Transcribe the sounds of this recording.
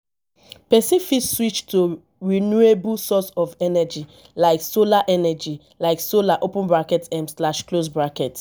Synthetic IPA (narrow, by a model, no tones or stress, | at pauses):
pɛsifitswit͡ʃtʰo | ɹinuebulsɔsɔvɛnɛd͡ʒi | laɪksolaʔɛnɛd͡ʒi | laɪksolaʔopʊ̃nbɹakɛtɛ̃mslaʃklosbɹakɛt